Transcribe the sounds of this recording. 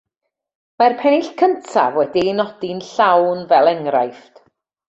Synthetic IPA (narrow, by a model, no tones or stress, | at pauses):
marpʰɛnɪɬkʰəntʰa̰vwɛdinɔdinɬawnvɛlˠɛŋra̰jft